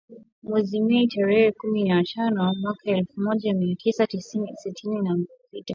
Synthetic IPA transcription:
mwɛzimɛitaɾɛhɛkuminatanɔmwakaɛlfumɔʄamiatʰisatisinisitʰininam | pita

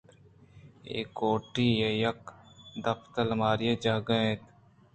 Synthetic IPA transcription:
ḛːkoːʈiːjejɐkd̪ɐpʰt̪əlmaːɾijed͡ʒaːɡəẽt̪

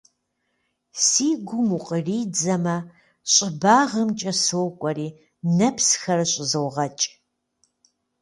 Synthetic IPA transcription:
siːɡʷʊmuqʼəriːd͡zɐmɐ | ɕʼɪbaːʁɐmt͡ʃʼɐsowkʷʼɔriː | nɐpsxɐrɨɕʼɪzɨwʁɐt͡ʃʼ

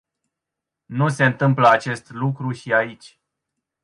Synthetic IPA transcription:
nus̬e̞ɨnt̪ɨmpləat͡ʃe̞st̪lukɾuʃiait͡ʃʲ

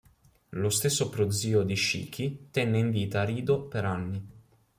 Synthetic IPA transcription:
lost̪esːopɾod̪ziːod̪iʃḭːk̟it̪ɛnːeiɱviːt̪aɾiːd̪opeɾanːi

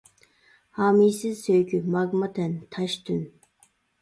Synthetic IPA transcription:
hɑːmisɪzsøjkʲʰymɑɡmɑt̪ʰɛnt̪ʰɑʃt̪ʰyn

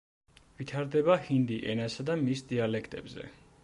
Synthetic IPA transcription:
vit̪ʰaɾd̪ɛbahind̪iʔɛnasad̪amisd̪ialɛkʰt̪ʼɛbzɛ̰

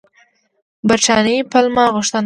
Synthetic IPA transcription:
bat͡ʃɑnipalmɑɣʊʃt̪ən

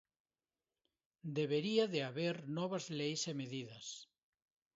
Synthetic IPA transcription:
d̪eβeɾiaðeaβeɾnɔβɐzlejsemeðiðɐs

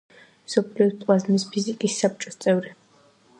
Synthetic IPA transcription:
msɔpʰliɔspʼwazmispʰizikʼisːap̚t͡ʃʼɔst̪sʼɛvɾi

